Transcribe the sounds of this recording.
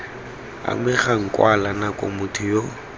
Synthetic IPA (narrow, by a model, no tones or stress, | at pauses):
a̰mɪχaŋ̩kʼwalanakʼo̰mʊtʰʊjo